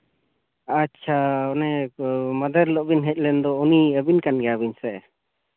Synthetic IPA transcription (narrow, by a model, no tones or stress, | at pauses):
at͡ʃʰaɔnɛməd̪əɾlɔʔbinɦɛc̪̚ˀlɛnd̪ɔuniəbinkanɡɛabinsɛʔ